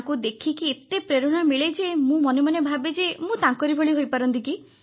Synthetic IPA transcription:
kud̪ekʰikiet̪epɾeɾɔɽ̃amiɭed͡ʒemũmɔnemanebʱabed͡ʒemũt̪ãŋkɔɾibʱoɭiɦojpaɾɔnt̪iki

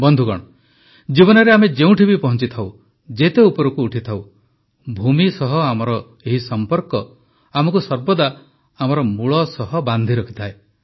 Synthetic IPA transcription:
bɔnd̪ʱukɔ̰ɽ̃ɔ | d͡ʒibɔnɔɾeamed͡ʒeũʈʰibipɔɦɔnt͡ʃit̪ʰaw | d͡ʒet̪eupɔɾukuːʈʰit̪ʰaw | bʱumisɔɦɔamɔɾɔ | eɦisɔmpɔɾkɔ | amɔkusɔɾbɔd̪a | amɔɾɔmuɭɔsɔɦɔband̪ʱiɾɔkʰi̥t̪ʰae

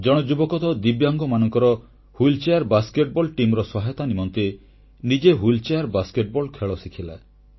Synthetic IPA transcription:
d͡ʒɔɽ̃ɔd͡ʒubɔkɔt̪ɔd̪ibjɔŋɡɔmanɔŋkɔɾɔ | hult͡ʃejaɾbaskeʈ̚bɔlʈimɾɔsɔɦajt̪animɔnt̪e | nid͡ʒeɦult͡ʃejaɾbaskeʈ̚bɔlkʰeɭɔsikʰila̰

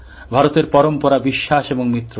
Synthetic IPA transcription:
bʱaɾot̪eɾpɔɾompɔɾabiʃːaʃeboŋmit̪ːɾo

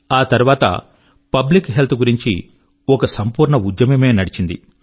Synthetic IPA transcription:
aːt̪ɐɾuʋaːt̪ɐ̰ | pɐblikɦelt̪ʰuɡuɾiɲt͡ʃḭ | ɔkɐsɐmpuːɾɳɐud̪jɐmɐme̞ːnɐɽit͡ʃind̪ḭ

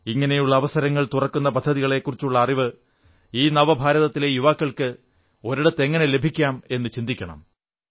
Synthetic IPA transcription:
iŋːɐne̞juɭːɐːʋɐsɐɾɐŋːɐɭt̪urɐkːun̪ːɐpɐd̪ʱːɐðiɣɐɭe̞kːurit͡ɕːuɭːɐːriʋɨ | iːnɐʋɐbʱaːɾɐðɐt̪ːilejuʋaːkːɐɭkɨ | o̞ɾiɽɐt̪ːe̞ŋːɐne̞le̞bʱikʲːaːme̞nːɨt͡ɕind̪ikʲːɐɳɐ̰m

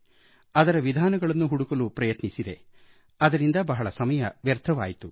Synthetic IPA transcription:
ɐd̪ɐɾɐʋid̪ʱaːnɐɡɐɭɐnːuɦuɽukɐlupɾɐjɐt̪nisid̪e̞ | ɐd̪ɐɾind̪ɐbɐɦɐɭɐsɐmɐjɐʋjɐɾd̪ʱʰɐʋa̰ːjit̪u

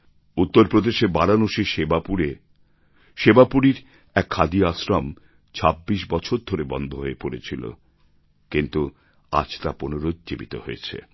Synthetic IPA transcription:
ut̪ːoɾpɾod̪eʃebaɾanoʃeʃebapuɾe | ʃebapuɾiɾ | ɛkʰːad̪iasɾam | t͡ɕʰabːiʃbɔt͡ɕʰoɾd̪ʱoɾebɔnd̪ʱoɦoepoɾet͡ɕʰilo̰ | kint̪u | a̰d͡ʑt̪aponoɾod͡ʑebit̪oɦoet͡ɕʰḛ

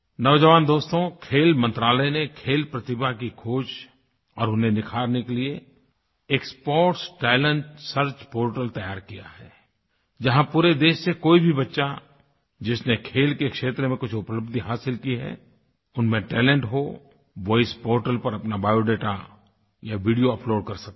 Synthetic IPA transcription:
nɔʋd͡ʒəʋaːnd̪oːst̪õkʰeːlmə̃nt̪ɾaːlənekʰeːlpɾət̪ɪbʱakikʰoːd͡ʒ | ɔːɾʊnɦenɪkʰaːɾnekelie | eːkspɔːʈsʈɛːɪlə̃ɳʈsəɾt͡ʃpoːɾʈəlt̪ɐjaːɾkija̰ɦɛː | d͡ʒɐɦãpuːɾed̪eːʃsekoːibʱibɐtːʃa | d͡ʒɪsnekʰeːlkekʃeːt̪ɾmẽkʊt͡ʃʰʊpləbd̪iɦaːsɪlkiɦɛ̰ | ʊnmẽʈɛːlɛ̃ɳʈɦo | ʋɔːɪspoːɾʈəlpɐɾɐpnabaːjoɖeːʈa | jaʋiːɖijoɐploːɖ̚kɐɾsɐk̚t̪ː

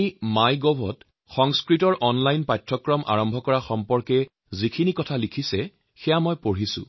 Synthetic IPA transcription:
imajɡɔbʱɔt | xɔŋskɹitɔɹʔɔnlajnpajtʰɹɔkɹɔmʔa̰ɹɔmbʱɔkɔɹaxɔmpɔɹkɛ | zikʰinikɔtʰalikʰisɛ | xɛjamɔjpoɹisʊ̰̃

